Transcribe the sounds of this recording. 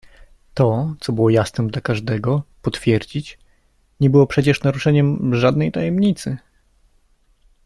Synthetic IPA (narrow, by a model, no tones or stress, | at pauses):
t̪ɔt̪sɔbɘwɔjasnɛd̪lakaʐd̪ɛɡɔpɔt̪fʲjɛɾd͡ʑit͡ɕ | ɲɛbɘwɔpʂɛt͡ɕɛʂnaɾuʂɛɲɛmʐad̪nɛjt̪ajɛmɲit̪sɘ